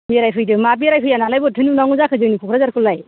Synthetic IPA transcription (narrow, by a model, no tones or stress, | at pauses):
biɾajpʰɯjdɯmabiɾajpʰɯjanalajbɯtʰɯnɯnawŋɯzakʰɯzɯnikʰukʰɾazaɾkʰɯlːaj